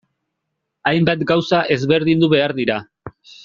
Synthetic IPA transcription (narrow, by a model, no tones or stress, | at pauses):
ajmbat̪ɡawsaʔe̞zβe̞ɾðind̪uβe̞aɾðiɾa